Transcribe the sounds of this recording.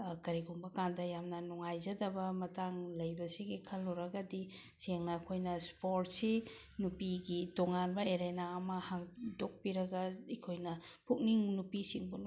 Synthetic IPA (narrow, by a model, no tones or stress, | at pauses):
kɐɾiɡumbɐkandɐjamnɐnuŋajzɐdɐbɐmɐtaŋlɐjbɐsiɡikʰɐlːɔɾɐɡɐdi | seŋnɐːkʰojnɐspoɾt̚si | nupiɡitoŋanbɐeɾenaɐmɐhaŋdok̚piɾɐɡɐikʰojnɐpʰuk̚niŋnupisiŋbun